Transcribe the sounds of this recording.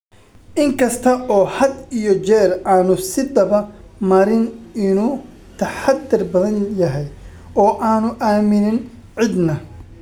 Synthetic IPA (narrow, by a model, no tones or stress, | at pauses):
ʔɪŋkʰɐst̪ʰɐʔɔːhɐd̪ijɔt͡ʃɛːraːnʊsɪd̪ɐβɐmɐɾɪnɪnuː | t̪ʰɐħad̪ːɪrbɐðɐnjɐɦɛj | ɔːʔaːnʊʔaːmɪnɪn | ʕɪd̪nɐ